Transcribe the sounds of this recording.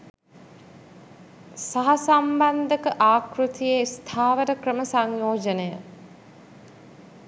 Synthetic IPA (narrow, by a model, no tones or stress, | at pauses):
saɦɐsamband̪əkəʔaːkɾut̪ijest̪ʰaːʋəɾəkrəməsaŋjoːd͡ʒənejə